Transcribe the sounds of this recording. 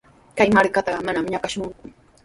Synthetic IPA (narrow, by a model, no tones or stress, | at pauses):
kajmaɾkat̪ɑɢɑmanamɲakaʃʊŋkʊ